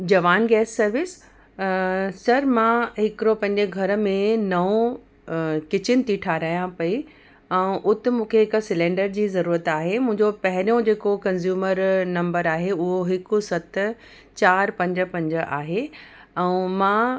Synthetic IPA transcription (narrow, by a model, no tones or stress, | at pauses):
d͡ʑɐʋaːnɡɛːsːɐɾʋɪs | sɐɾmãɦɪkɪɾopɐ̃ɦɪ̃ɲd͡ʑeɡʱɐɾə̆mẽnɐõ | kɪt͡ɕɪnɪ̆t̪ʰiʈʰaːɾaːjãpɐi | ɛ̃ʔʊt̪ɪ̆mũːkʰeɦɪksɪlẽːɳɖəɾd͡ʑiːzɐɾuːɾət̪aːɦemʊ̃ɦɪ̃ɲd͡ʑopɐɦɪɾijõd͡ʑeːkokɐ̃nzjuːməɾnɐ̃mbəɾaːɦeʊɦoɦɪkʊsɐt̪ | t͡ɕaːɾpɐ̃ɲd͡ʑə̆pɐ̃ɲd͡ʑ̆ʔaːɦe | ɛ̃ũmãː